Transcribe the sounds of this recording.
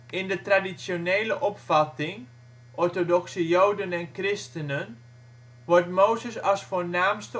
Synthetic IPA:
ʔɪndətradisonejləʔɔpfɑtɪŋ | ʔɔɹtodɔksəjowdənɛnkrɪstənən | ʋɔɹtmowzəsɑlˠsfoːɹnaːmstə

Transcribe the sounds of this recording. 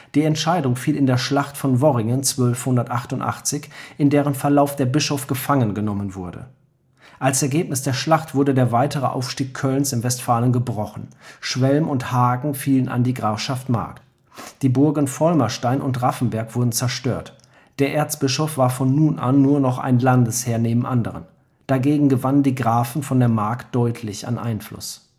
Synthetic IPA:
d̥iːɛntʃaɪdʊŋfiːlɪndeːɐʃlaχtfɔnvɔʁɪŋənt͡sv̥œlfhʊndɐtʔaχtʊntʔa̰χt͡sɪçʔɪndeːʁənfɛɐlaʊfd̥eːɐbɪʃɔfɡ̥əfaŋənɡənɔmənvʊɐdə̰ | ʔalsɛɐɡeːpnɪsd̥eːɐʃlaχtv̥ʊɐɾədeːɐvaɪtəʁ̞ə̰ʔa̰ʊfʃtiːkʰœlnsɪmvɛstfaːlənɡəbʁɔχn̩ʃv̥ɛlmʊnthaːɡŋ̩fiːləna̰ndiːɡʁaːfʃaftma̰ɐkt | d̥iːbʊɐɡən̩fɔlmɐʃtaɪnʔʊntʁafn̩bɛɐkv̥ʊɐdn̩t͡sɛɐʃtøːɐt | d̥eːɐʔeːɐt͡sb̥ɪʃɔfv̥aːɐfɔnːuːnʔa̰nːuːɐnɔχa̰ɪnlandəsheːɐneːbm̩ʔandəʁ̞ə̰n | d̥aɡeːɡŋ̩ɡəvanəndiːɡʁaːfn̩fɔndeːɐmaɐkt̚d̥ɔʏtʰlɪça̰nʔa̰ɪnflʊ̰s

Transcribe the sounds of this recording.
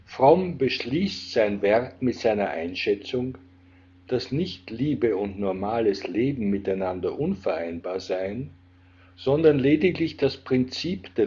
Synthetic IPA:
fʁɔmbəʃliːstz̥aɪnvɛɐkmɪtz̥aɪnɐʔa̰ɪnʃɛt͡sʊŋ | d̥asnɪçtliːbəʊntnɔɐmaːləsleːbm̩mɪtaɪnandɐʔʊnfɛɐʔaɪnbaːɐzaɪn | z̥ɔndɐnleːdɪklɪçd̥aspʁ̥ɪnt͡siːpd̥ɛ

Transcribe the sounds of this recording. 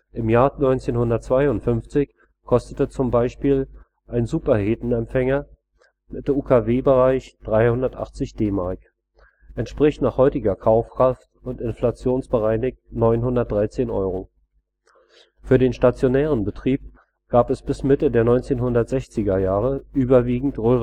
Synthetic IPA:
ʔɪmjaːɐnɔʏnt͡seːnhʊndɐtt͡sv̥aɪʊntfʏnft͡sɪç | kʰɔstətət͡sʊmbaɪʃpiːl | ʔaɪnzuːpɐheːtn̩ɛmfɛŋɐ | mɪt̚d̥emuːkʰaveːbəʁaɪçd̥ʁaɪhʊndɐtʔa̰χt͡sɪçd̥eːmaɐk | ʔɛntʃpʁ̥ɪçtnaːχhɔʏtɪɡɐkʰaʊfkʁ̥aftʊntɪnflat͡sjoːnsb̥əʁaɪnɪk̚tnɔʏnɦʊndɐt̚d̥ʁaɪt͡seːnʔɔ̰ʏʁo | fyːɐɾeːnʃtat͡sjonɛːʁ̞ənbətʁ̥iːp̚ | ɡ̥aːpɛsb̥ɪsmɪtədeːɐnɔʏnt͡seːnɦhʊndɐtz̥ɛçt͡sɪɡɐjaːʁəʔyːbɐviːɡŋ̩tʁøːʁ

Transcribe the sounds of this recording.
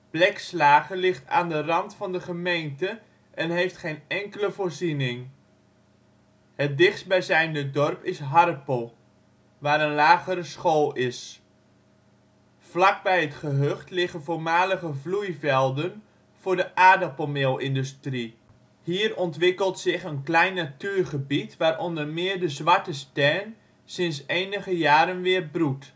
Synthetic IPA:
b̥lɛkslaːχəlɪχta̰ːndərɑntfɑndəχəmejntə | ʔɛnɦejftχejnɛŋkələvʊːɹzinɪŋ | hət̚dɪχsbɛjzɛjnədɔrpɪsɦɑɾəpolˠ | ʋaːɾənlaːχəɾəsχolˠɪs | flak̚bɛjətχəɦøχtlɪɣənvoːɹmaːləɣəvlujvɛlˠdən | v̥ʊːɹdəʔaːdapomeːlˠɪndystri | hiːrɔntʋɪkəlˠtsɪχənklɛjnːatyːɹχəbitʋaːɾʔɔndərmɪːərdəzʋaɹtəstɛrn | sɪnsejnəɣəjaːɾənʋɪːərbrut

